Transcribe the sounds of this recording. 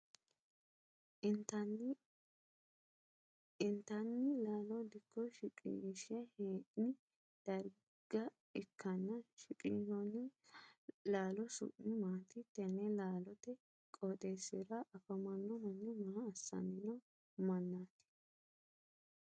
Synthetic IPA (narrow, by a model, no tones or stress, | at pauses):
tɐ | ɪnt̪ɐnːɪlaːlɔd̪ɪkːɔʃɪkʼḭʃɪɐheːʔnɪ | d̪̥ɐɾ | ɡ̥ɐ | ɪkːɐnːɐʃɪkʼiːʃɔnɪ | laːlɔsʊ̰ʔnɪmaːt̪ɪt̪ːɛnːɛlaːlɔt̪ɛ | kʼot̪ʼesɪɾɐʔɐfɐmɐnːɔmɐnːɪmɐhɐːsːɐ̰nɪnɔ | mɐnːaːt̪ɪ̥